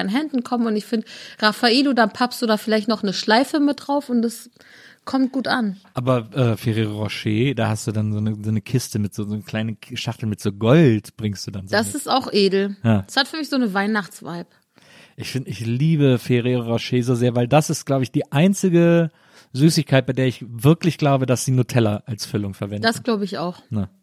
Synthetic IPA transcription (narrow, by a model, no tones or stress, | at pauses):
ɪnənɦɛndn̩kʰɔməmʊntɪçfɪndʁafaʔeːludanpʰapstd̥uːdaːfɪlaɪçtnɔχnəʃlaɪfəmɪt̚d̥ʁaʊfʊntas | kʰɔmt̚ɡ̥uːtʔanʔaːbɐʔɛːfeʁeːʁoʁɔʃeːd̥aːhastd̥uːdanzoːnəzoːnəkʰɪstəmɪtz̥oːzoːnkʰl̥aɪnənʃaχtl̩mɪtz̥oːɡɔltb̥ʁɪŋstd̥uːdanzdasɪstaʊxʔeːdl̩jaːshatfyːɐmɪçz̥oːnəvaɪnaχt͡sv̥a̰ɪbə | ʔɪçfɪndɪçliːbəfeʁeːʁoʁɔʃeːzoːzeːɐvaɪldasɪst̚ɡ̥laʊbəɪçd̥iːʔaɪnt͡sɪɡə | zyːsɪçkʰaɪt̚b̥aɪdeːɐɪçvɪɐklɪçɡ̥laʊbədasd̥iːnuːtʰɛlɐʔalsfʏlʊŋfɛɐvɛndasɡ̥laʊbəɪça̰ʊxnə